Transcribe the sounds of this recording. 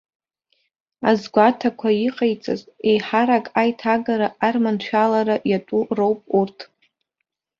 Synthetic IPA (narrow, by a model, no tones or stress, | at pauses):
azɡʷatʰakʷʰaiqʼejt͡sʼa̰ze̞jħaɾakʼajtʰaɡaɾaːrmant͡ʃʷᶣalaɾajatʼurowpʼurtʰ